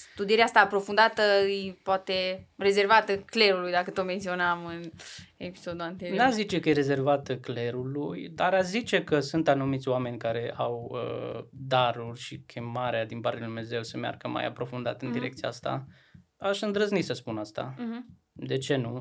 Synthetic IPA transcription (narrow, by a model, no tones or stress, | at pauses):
st̪ud̪ieɾeast̪aːpɾo̞fund̪at̪əɨjpoat̪e̞re̞ze̞rvat̪əkle̞ɾulujd̪akət̪ome̞nt̪sio̞namɨnepi̥sod̪uant̪enazit͡ʃe̞kəjeɾe̞ze̞rvat̪kle̞ɾulujd̪aɾazit͡ʃe̞kəsunt̪anumit̪sʲoame̞nʲkaɾe̞ʔawə̰d̪aɾurʲʃikʲʰe̞maɾead̪inpaɾrt̪ejalid̪umne̞ze̞wsəmja̰rɡəma̰ja̰pɾo̞fund̪a̰t̪ɨnd̪iɾe̞kt̪sija̰st̪a̰ | aʃɨnd̪ɾəznit̪səspunast̪a̰ | d̪e̞t͡ʃe̞nu